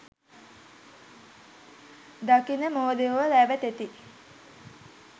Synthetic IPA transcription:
d̪akinəmoːd̪eoʋəlæːʋət̪et̪i

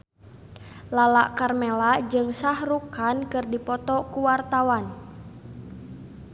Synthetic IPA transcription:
lalaʔkarmɛlad͡ʒɨŋsahrukankɨrdipɔt̪ɔkuwart̪awan

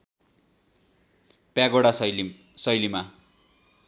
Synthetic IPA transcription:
pjaɡoɽa | sʌjlima

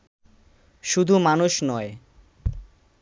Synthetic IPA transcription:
ʃud̪ʱumanuʃnɔe

